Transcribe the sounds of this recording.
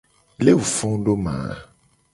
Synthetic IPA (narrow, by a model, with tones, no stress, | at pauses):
le˦wu˨fɔ̃˦ɖo˦mã̰˨